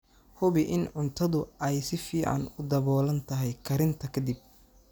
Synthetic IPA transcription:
hʊβɪʔɪnʕʊnt̪ʰɐðʊɛjsɪfiːʕɑ̰nʊd̪ɐβɔːlɐnt̪ʰɐɦɛjkʰɐɾɪnt̪ʰɐkʰɐd̪ɪb̚

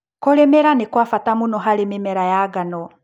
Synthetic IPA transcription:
kɔlɛmɛɾanekwafatamunɔɦalememɛɾajaɡanɔ

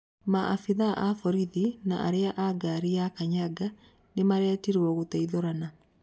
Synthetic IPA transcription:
maʔafiðaʔafɔɾiðina̰ʔa̰ɾeaʔaɡaɾiakaɲaɡa | nemaɾɛːtiɾwɔɣotaiðoɾana

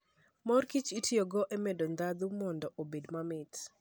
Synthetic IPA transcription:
mɔrkit͡ʃitʰioɡɔʔemedond̪ad̪umɔndɔʔobedmamɪt

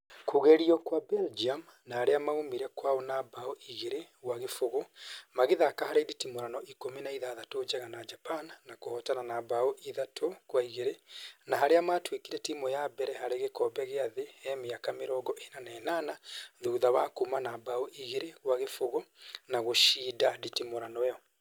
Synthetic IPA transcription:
koɣɛɾiɔkwabɛld͡ʒiam | nahaɾeamaomiɾɛkwaɔnabaoʔiɣeɾeɣwaɣefoɣomaɣeðakahaɾeiditimoɾanɔʔikominaiðaðatod͡ʒɛɣanad͡ʒapannakohɔtananabaoʔiðatʰokwaiɣeɾenaɦaɾeamaːtwekiɾɛtimɔjabɛɾɛhaɾeɣekɔbɛɣeaðeɛmeakameɾɔːɡɔʔenanɛːnanaðuːðaβa̰komanabaoʔiɣeɾeɣwaɣefoɣɔnaɣoʃiːdaditimoɾanɔɔ

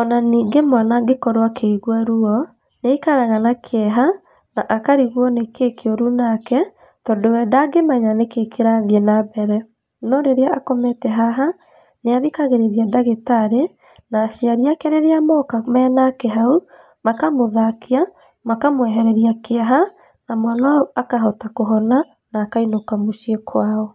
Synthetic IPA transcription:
ɔnaniːŋɡemanaɡekɔɾwakʰeiɣwaɾuɔ | neikaɾaɣanakʰeɛɦa | naʔakaɾiɣwɔnekekeoɾunakɛ | tɔːndowɛdaɡemaɲanekekʰeɾaðjɛnabɛɾɛ | nɔɾeɾeaakɔmɛtɛɦaɦa | neaðikaɣeɾeɾiadaɣetaɾe | naːɕiaɾiakɛɾeɾeamɔkamɛnakɛɦau | makamoðakia | makamwɛɦɛɾɛɾiakeaɦa | namanaauakaɦɔtakoɦɔna | naːkainokamoʃiekʰwaɔ

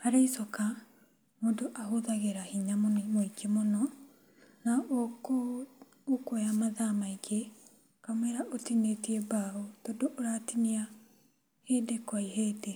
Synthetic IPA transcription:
haɾeisɔka | modoʔaɦoðaɣeɾahiɲamonmoikemonɔ | na | okojamaðamaiɡe | kamwɛɾaʔotinetiebaotɔdoʔoɾatinia | heːdekwaiheːde

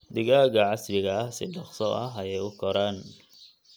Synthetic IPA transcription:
d̪ɪɣaːɣɐʕɑslɪɣɐɐhsɪɖɑχsɔʔɐɦɐjɛjʊkʰɔɾaːn

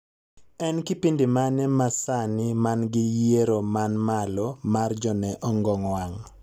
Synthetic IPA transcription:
ɛnkɪpindɪmanɛmasanɪmanɡɪjeɾomanmalɔmard͡ʒɔnɛʔɔŋɡɔŋwaŋ

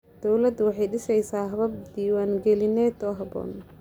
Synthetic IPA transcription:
d̪̥ɔwlɐd̪wɑħɑjɖɪʃɛjsaːɦɐβɐb̚d̪iːwaːŋɡɛlɪnɛːd̪ɔːɦɐbɔ̰ːn

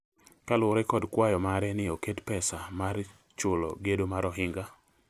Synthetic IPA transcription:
kalʊɾɛkɔdkwajɔmaɾɛnɪoketpɛsamar | t͡ʃʊlɔ̰ɡedomaɾɔɦɪŋɡa

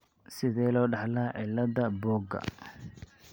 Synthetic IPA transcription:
sɪðɛːlɔːɖɑħlɐʕɪlɐðɐbɔːɡɐ̰

